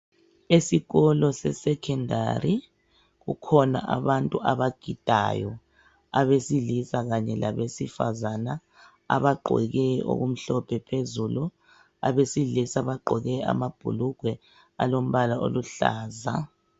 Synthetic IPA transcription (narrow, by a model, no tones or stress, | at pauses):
esiɣɔlɔsɛsɛkʰɛnda̰ri | ɣukʰɔna̰ʔaβantʼuʔaβaɡ̥ʱid̥ʱa̰jɔ | aβesilisaɣaɲɛlaβesifa̰zana | a̰βaɡ͡ǃʱɔ̰ɣɛo̰ɣum̩ɬɔpʰɛpʰezulu | a̰βesilisaβaǃʱɔɣɛa̰mab̥ʱṵluɡ̥ʱwɛ | alom̩βalao̰luɬa̰ːza